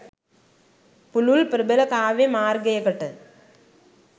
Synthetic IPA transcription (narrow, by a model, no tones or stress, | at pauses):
pʊlʊlpɪɾɯbɐlɐkaːʋemaːɾɡɐjɐkːɐʈːɯ